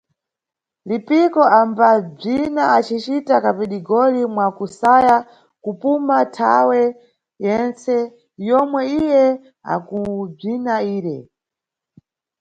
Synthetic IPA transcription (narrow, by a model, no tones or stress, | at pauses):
lipikɔambab͡ʐinaat͡ʃit͡ʃitakapiɗiɡɔlimwakusaja | kupumatʰa̰wɛ | jɛnt͡sɛ | jɔmwɛijɛ | a̰kub͡ʐinaiːɾɛ